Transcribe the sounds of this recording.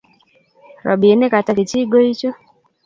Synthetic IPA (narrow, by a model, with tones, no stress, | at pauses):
ɾa̰˨bi˨ɛ˦nɛ˦ka˨ta˨ki˨t͡ʃi˦ɡɔ˦hi˦t͡ʃɔ˦